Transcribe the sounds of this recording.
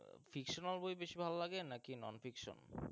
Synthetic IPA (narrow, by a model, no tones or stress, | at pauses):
fʰikʃonalbojbeʃibʱalolaɡenakinɔ̰nfikʃo̰n